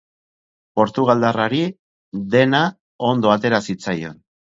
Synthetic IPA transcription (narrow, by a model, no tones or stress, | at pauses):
po̞ɾt̪uɣ̞ald̪araɾi | ðe̞na | o̞nd̪o̞at̪e̞ɾasit͡sajo̞n